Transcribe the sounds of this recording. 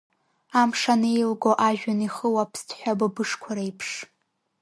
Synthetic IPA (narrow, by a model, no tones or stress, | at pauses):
amʂanejlɡoʔaʒᶣaniχəwapʰstʰħʷᶣabɨbɨʂkʷʰaɾajpʰʂ